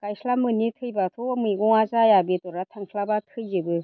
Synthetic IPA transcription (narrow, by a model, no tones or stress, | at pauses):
kajsʰlamɯnitʰɯjbatʰɔmɯjɡɔŋazajabitɔɾatʰaŋsʰlabatʰɯjzɯbɯ